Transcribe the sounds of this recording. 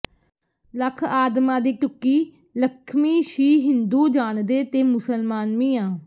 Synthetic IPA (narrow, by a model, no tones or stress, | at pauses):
ləkʰaːd̪mãːd̪iːʈʊkːiː | ləkʰmiːʃiːɦɪnd̪uːd͡ʒaːnd̪eːt̪eːmʊsəlmaːnmĩːãː